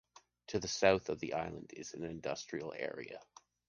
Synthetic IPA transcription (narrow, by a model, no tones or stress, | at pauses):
tʰɨðɨsaʊθʌvðiʔaɪlˠə̰̃ndɪ̰z̥n̩ɨ̃ndʌstɹ̥il̩ˠɛ̰ɹḭɨ̰